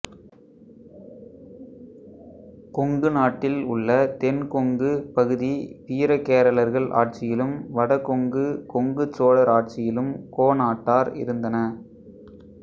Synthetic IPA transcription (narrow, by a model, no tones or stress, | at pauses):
kɔŋɡɯnaːʈːɪlʊɭːɐt̪ɛnkɔŋɡɯpɐɣɯðipiːɾɐkeːɾɐlɐɾɣɐɭʔa̰ːʈ̚t͡ʃɪjɪlɯmʋɐɽɐkɔŋɡɯkɔŋɡɯt͡ʃoːlɐɾaːʈ̚t͡ʃɪjɪlɯmkoːnaːʈːaːɾɪ̰ɾɯnd̪ɐnɐ